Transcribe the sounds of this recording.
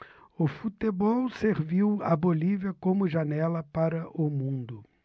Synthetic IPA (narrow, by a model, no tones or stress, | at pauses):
ʊfut̪ebɔwseɾviwɐ̰boliviɐkõmʊʒanɛlɐpaɾɐʔʊmũnd̪ʊ